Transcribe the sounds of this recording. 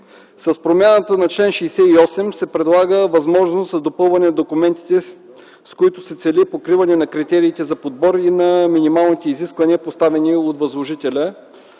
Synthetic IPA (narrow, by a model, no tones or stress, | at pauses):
sɐspɾomʲjanət̪ənɐt͡ʃlɛnʃɛjsɛiɔsɛmsɛpɾɛd̪lˠaɡəvɐzmɔʒnoszɐd̪opɤlˠvɐnɛnɐd̪okumɛnt̪i̥t̪ɛ | skoit̪ʊsɛt̪sɛlipokɾivɐnɛnɐkɾit̪ɛɾiːt̪ɛzɐpod̪̚bɔɾinɐminimalˠnit̪ɛiziskvɐniəpost̪avɛniot̪vɐzlˠoʒit̪ɛlʲə